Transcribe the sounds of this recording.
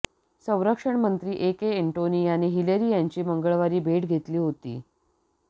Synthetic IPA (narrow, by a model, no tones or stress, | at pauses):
sə̃w̃ɾəkʂəɳmənt̪ɾiːʔekeeɳʈoniːjañiɦileɾiːjaɲt͡ɕiːməŋɡəɭʋaɾiːbʱeʈɡʱet̪liːɦot̪ḭː